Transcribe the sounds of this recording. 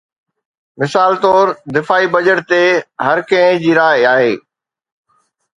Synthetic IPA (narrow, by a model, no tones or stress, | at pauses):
mɪsaːlt̪ɔːɾd̪ɪfaːibɐd͡ʑəʈ̚t̪eɦɐɾkɐ̃ɦɪ̃d͡ʑiːɾaːɦɪaːɦeː